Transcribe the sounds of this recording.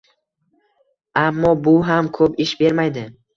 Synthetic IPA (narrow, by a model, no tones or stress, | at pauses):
amːɒbʊɦamkʰɵpɪʃbe̞ɾmajd̪ɪ